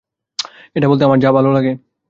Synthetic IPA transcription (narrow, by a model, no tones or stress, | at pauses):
eːʈʰaboːlt̪eamaːɾd͡ʒaːbaːloːləɡeː